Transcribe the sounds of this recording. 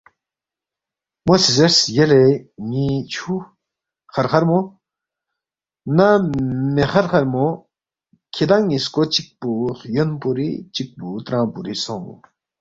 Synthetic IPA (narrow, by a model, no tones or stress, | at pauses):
mosizɐɾsjeleŋit͡ʃʰu | χɐɾχɐɾmo | nameχɐɾχɐɾmo | kʰid̪aŋiskot͡ʃik̚puːχjənpuɾḭt͡ʃik̚put̪ɾãːpuɾisõ̰